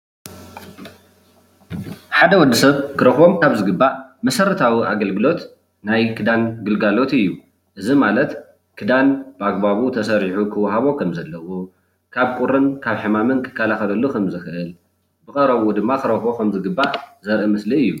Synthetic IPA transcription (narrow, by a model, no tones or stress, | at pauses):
ħad̪ɐwɔd̪ːisɐβkʰɨɾɐxo̞mkʰaβzɨɡɨbːaʔmɐsɐɾɐt̪ʰawia̰ɡɐlɡɨlo̞t̪ | najkʰɨd̪anɡɨlɡalo̞t̪ɨjːu | ʔɨzimalɐt̪ | kʰɨd̪anb̥ɨaɡbaβut̪ʰɐsɐɾiħukʰɨwaɦaβo̞kʰɐmzɐlːɐwo | kʰaβkʼuɾɨnkʰaβħɨmamɨnkʰɨ̥kʰːalaxɐlɐlːukʰɐmzɨxɨʔɨl | bɨkʼɐɾɐβud̪ɨmːakɨɾɐxo̞kʰɐmzɨɡɨbːaʔzɐɾʔɨmɨsliɨjːu